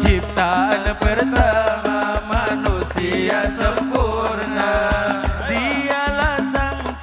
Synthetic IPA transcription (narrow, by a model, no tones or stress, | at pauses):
t͡ʃip̚t̪aanpərt̪amamanusiasəmpurna | dialasaŋ